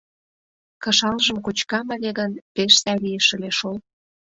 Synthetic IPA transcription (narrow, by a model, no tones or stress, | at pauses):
kɤ̆ʃɑlʒə̆mkut͡ɕkɑmə̆lʲeɣənpeʃsɑlijəʃə̆lʲeʃol